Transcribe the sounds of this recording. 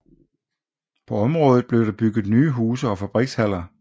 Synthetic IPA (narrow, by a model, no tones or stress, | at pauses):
pʰɒ̽ɒ̽mʁɔ̽ːð̞ˠð̩ˠb̥le̝ʊɾ̥ɑ̈b̥yɡ̥ð̩ˠnyːɦuːsɐɒ̽fæb̥ʁiɡ̥shæl̰ɐ